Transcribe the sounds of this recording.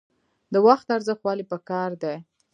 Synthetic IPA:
d̪əwaxt̪aɾzəxtwɑlipəkɑɾd̪e

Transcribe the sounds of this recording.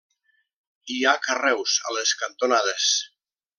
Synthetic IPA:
iakarɛwza̰leskant̪onaðes

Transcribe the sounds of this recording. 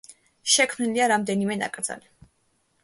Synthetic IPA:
ʃɛkʰmniliaɾamd̪ɛnimɛna̰kʼɾd̪za̰li

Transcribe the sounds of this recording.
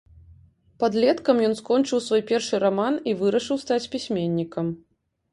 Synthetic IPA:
pɐd̪lʲɛt̪kɐmjɔnskɔnt͡ʂɨwsvɔjpʲɛrʂɨɾamanivɨɾɐʂɨwst̪at͡sʲpʲisʲmʲenʲːikɐm

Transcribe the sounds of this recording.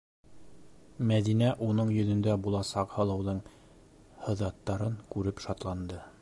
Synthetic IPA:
mæðinæʔunɤɴjɵ̆ðɵ̆nd̪æbulˠɑsɑqhɤ̆lˠɤ̆wðɤɴ | hɤ̆ðɑt̪ːɑɾɤɴkʉɾɘpʃɑt̪lˠɑnd̪ɤ

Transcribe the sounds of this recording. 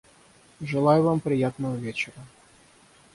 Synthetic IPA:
ʐɛlˠajʊvampɾɪjat̪nɔɦɔʋʲɛt͡ʃɪɾɐ

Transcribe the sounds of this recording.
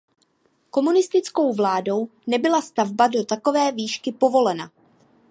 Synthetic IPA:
ko̞munɪst̪ɪt͡sko̞wvlaːdo̞wnɛbɪlast̪avbado̞t̪ako̞vɛːviːʃkɪpo̞vo̞lɛna

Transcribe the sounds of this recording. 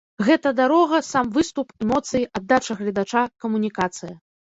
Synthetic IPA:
ɣɛt̪ɐd̪aɾɔɣɐsamvɨst̪upɛmɔt̪sɨjiʔad̪ːat͡ʂɐɣlʲɐd̪at͡ʂakɐmunʲikat̪sɨjɐ

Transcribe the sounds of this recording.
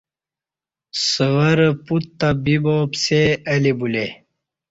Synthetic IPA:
səwɐɾput̪ːɐbiboːpseɐlibule

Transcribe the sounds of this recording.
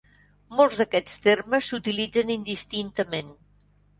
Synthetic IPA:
molˠzðəkɛt͡st̪erməsːut̪ilid͡zənind̪ist̪int̪əmen

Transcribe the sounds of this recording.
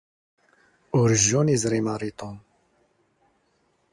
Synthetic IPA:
uɾʒːunizɾimaɾit̪ɔn

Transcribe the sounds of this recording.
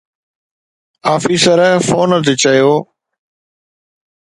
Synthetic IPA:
aːfiːsəɾɛfoːnət̪eːt͡ʃəjoː

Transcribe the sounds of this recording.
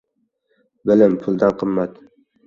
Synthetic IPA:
bɪlɪmpʰʊlˠd̪anqʰɨmːat̪

